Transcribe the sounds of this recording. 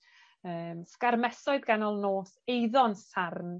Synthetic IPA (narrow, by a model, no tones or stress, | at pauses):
əːmskarmɛsɔɨðɡanɔlˠnoːθejðɔnsarn